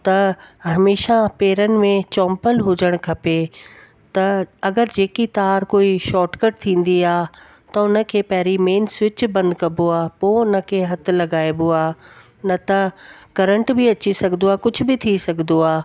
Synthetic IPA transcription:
t̪ɐɦɐmeːʃapeːɾənɪ̆mẽt͡ɕɔ̃ːmpəlɦʊd͡ʑəɽ̃kʰɐpe | t̪ɐɐɡəɾd͡ʑeːkit̪aːɾkoːiʃɔːʈkəʈt̪ʰĩːn̆d̪iaː | t̪ɐʊnə̆kʰeːpɐɦɪɾimeːnsʋɪt͡ɕbɐ̃nd̪kɐmboaːpoːʊnə̆kʰeːɦɐt̪ʰlɐɡaːeboaː | nɐt̪ɐkɐɾə̃ɳʈbɪɐt͡ɕisɐɡʱnd̪oaːkʊd͡ʑʱʊ̆bɪt̪ʰisɐɡʱnd̪oaː

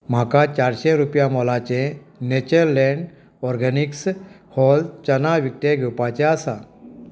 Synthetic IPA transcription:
m̤akat͡ɕaɾɕeɾupjamɔlat͡ɕẽ | net͡ɕəɾlɛɳɖ | ɔɾɡəniks | hɔlt͡ɕənaʋik̚t̪eɡʱɛwpat͡ɕeasa

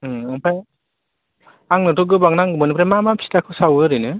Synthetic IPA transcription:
aŋpʰaj | aŋnɯtɯɡɯbaŋnaŋɡɯbɔnipʰɾamamapʰi̥stakʰɯsawɯɾɯnɯ

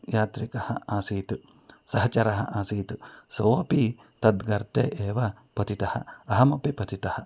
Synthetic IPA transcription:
jaːt̪ɾikɐhɐ̰aːsiːt̪ɨ | sɐɦɐt͡ʃɐɾɐɦɐ̰ʔaːsiːt̪ɨsoːɐpi | t̪ɐd̪ɡɐɾt̪eʔeːʋɐ | pɐt̪it̪ɐhɐ̰ɐɦɐmɐpipɐt̪it̪ɐhɐ

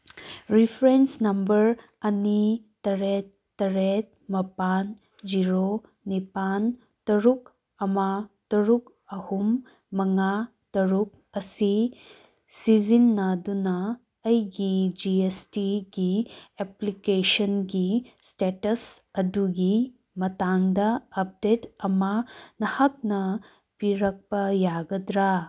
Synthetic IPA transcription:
ɾipʰɾensnɐmbɐɾ | ɐnitɐɾet̪ːɐɾet̚mɐpan | d͡ʒiɾo | nipan | tɐɾuk | ɐmatɐɾuk | ɐhumː | ɐŋa | tɐɾuk̚ | ɐsi | sizinːadunɐ | ɐjɡid͡ʒiestiɡieplikesɐnɡistetɐsɐduɡi | mɐtaŋdɐɐp̚detɐmɐnɐhɐk̚nɐ | piɾɐk̚pɐjaɡɐdɾa

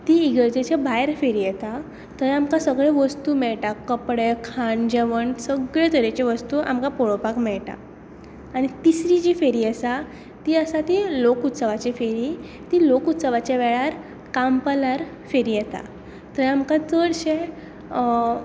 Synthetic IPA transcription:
t̪iiɡəɾt͡ɕ̪et͡ɕebʱajɾfeɾijɛt̪a | t̪əɾamkasəɡɭeʋəst̪uːmɛɭʈakəpɽekʰand͡ʑeʋəɳsəɡɭet̪əɾet͡ɕeʋəst̪uʔa̰mkapoɭopakmɛɭʈa̰ː | ɽ̃it̪isɾid͡ʑifeɾiːəsa | t̪iːəsat̪ilokut̪səʋat͡ɕefeɾiː | t̪iːlokut̪səʋat͡ɕeʋɛɭaɾ | kampəlaɾ | feɾijɛt̪a̰ | t̪əɾamkat͡səɽɕe

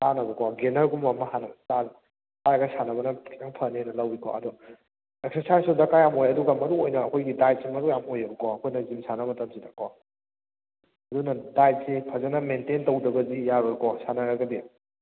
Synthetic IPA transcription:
sanɐbɐkɔɡenɐɾɡumɐmɐhanɐta | taɾɐɡɐsanɐbɐnɐkʰitaŋpʰɐnenɐlɐwbikʰɔ̰ɐdɔ | eksesaɾsudɐkajamojɐduɡɐmɐɾuojnɐːkʰojɡidajt̚semɐɾujamojɐbɐkɔɐkʰojnɐzimsʰanɐmɐtɐmsidɐkɔ | ɐdunɐdajt̚sepʰɐzɐnɐmententowdɐbɐzijaɾojkɔsanɐɾɐɡɐdi

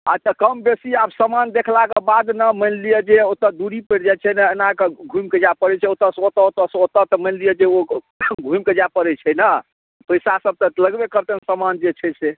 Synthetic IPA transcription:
ət͡ʃʰakəmbesiabsəmand̪ekʰlakebad̪nəmənlijəd͡ʒeot̪əd̪uɾipəɾd͡ʒat͡ʃʰɛnəənakeɡʱujmked͡ʒapəɾɛt͡ʃʰɛot̪əsot̪əot̪əsot̪ət̪əmənlijəd͡ʒeo | ɡʱumked͡ʒapəɾɛt͡ʃʰɛnə | pəjsasəb̚t̪ələɡbekəɾt̪ensəmand͡ʒet͡ʃʰɛse

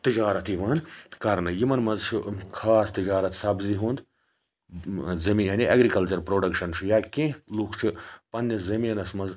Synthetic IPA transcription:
t̪ɨd͡ʒaːɾɐt̪ʰiʋɐnkɐɾnɨjimɐnmɐzt͡ʃʰukʰaːst̪id͡ʒaːɾɐt̪sɐbziɦũnd̪ | zɐmiɦɐniʔɐɡɾikɐlt͡ʃɐɾpɾoːɖɐkʃɐnt͡ʃʰujaːkẽlukʰt͡ʃʰipɐnːizɐmiːnɐsmɐnz

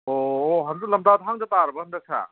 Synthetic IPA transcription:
oːɦɐndulɐmd̪ad̪ɦaŋdɐtaɾɐbɐhɐndɐk̚sʰa̰

